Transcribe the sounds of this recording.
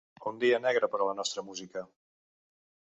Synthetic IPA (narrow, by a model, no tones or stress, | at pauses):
und̪iənɛɣɾəpəɾlənɔst̪ɾəmuzikə